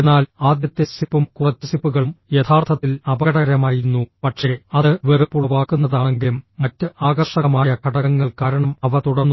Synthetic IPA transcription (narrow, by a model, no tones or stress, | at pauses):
enaːlaːd̪jɐt̪ːesipːumkurɐt͡ɕːɐsipːuɣɐɭumjet̪ʰaːrt̪ʰɐt̪ːilɐbɐɣɐɽɐɐɾɐmaːjiɾunːupɐʈʂe̞ɐðɨʋerɨpːuʋaːkːunːɐðaːɳɐŋɡilumːɐtːɨaːɡɐrʂɐɐmaːjɐkɐɽɐɣɐŋːɐɭkaːɾɐɳɐmɐʋɐt̪uɽɐrnːu